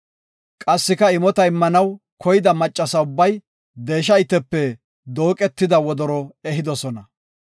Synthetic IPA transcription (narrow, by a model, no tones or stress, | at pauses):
kʼɐsːɪkɐɪmɔt̪ɐɪmːɐnɐw | kʰɔjɪd̪ɐmɐt͡ʃʼːɐsɐʊbːɐj | d̪e̞ːʃ̬ɐjɪt̪ːɛpːɛ | d̪o̞ːkʼɛt̪ːɪd̪ɐwɔd̪ɔɾɔɛɦɪd̪ɔsɔnɐ